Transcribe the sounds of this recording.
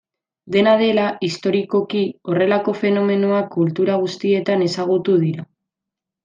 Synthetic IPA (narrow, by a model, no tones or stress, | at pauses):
d̪e̞nað̞e̞laist̪o̞ɾiko̞kio̞re̞lako̞fe̞no̞me̞noakult̪uɾaɣ̞ust̪ie̞t̪ane̞saɣ̞ut̪uð̞iɾa